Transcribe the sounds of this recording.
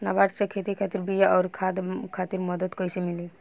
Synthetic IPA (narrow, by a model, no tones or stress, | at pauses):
nabaʈsekʰet̪ikʰat̪iɾbijaʔɔwɾkʰad̪kʰat̪iɾmɔd̪ɔt̪kojsimili